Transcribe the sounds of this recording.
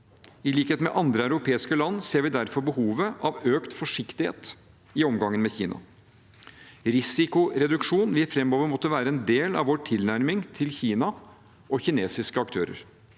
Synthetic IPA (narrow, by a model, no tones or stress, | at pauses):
ɪliːkheːt̪mɛ̰ʔɑnd̪ɾəæʉɾʊpʰeːɪskəlɑnːseːɾʋɪd̪æɾfɔɾbəhuːʋəʔɑʋøːkt̪fɔʂɪkt̪ɪhḛːt̪ | ɪɔmɡɑŋːənmɛçḭːnɑ̰ | ɾɪsɪkʊɾɛd̪ʉkʂuːnʋɪæfɾɛmːoːʋəɾmɔt̪ːəʋæːɾəɛnd̪eːlɑ̰ʋʋoːʈʰɪlnæɾmɪŋt̪ʰɪlçiːnɑ | ʔɔçɪneːsɪskəɑkt̪ʰø̰ːɾə̰ɾ